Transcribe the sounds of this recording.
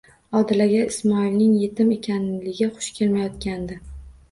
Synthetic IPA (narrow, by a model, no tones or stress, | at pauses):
ɒd̪ɪlaɡʲaɪsmɒilnɪŋje̞t̪ʰɪme̞kʲʰanlɪɡʲaχʊ̥ʃkʲʰe̞lmajɒt̪̚kʲand̪ɪ